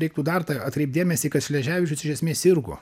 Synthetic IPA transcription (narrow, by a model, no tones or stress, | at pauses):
ɾʲɛɪk̚t̪uːd̪ɐrt̪ɐɐt̪kɾʲɛɪp̚d̪ʲeːmʲɛsʲiːkɐt̪ʃʲlʲɛʒʲæːʋʲɪt͡ʃʲʊsʲɪʒʲɛsʲmʲeːsɪɾɡʊ̰